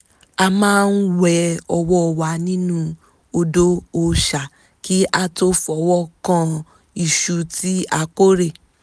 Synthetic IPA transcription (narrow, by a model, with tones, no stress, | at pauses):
a˧mãː˦n̩˦wɛ˧ɔ˧wɔ˦˧˨wa˧nĩ˦nũ˦ | o˧do˦o˧ʃa˨ | ki˦a˦to˦fɔ˨wɔ˦kã˦ | i˨ʃu˧ti˦a˧ko˦ɾe˦˨